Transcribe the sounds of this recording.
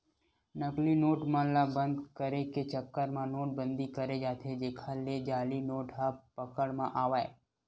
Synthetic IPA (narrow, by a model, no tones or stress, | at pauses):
nəklinoːʈmãlabə̃nd̪kəɾeket͡ʃəkːəɾmãnoːʈ̚bə̃nd̪ikəɾed͡ʒaːt̪ʰed͡ʒeːkʰaled͡ʒaːlinoːʈɦapəkəɽmãʔaːʋaːḛ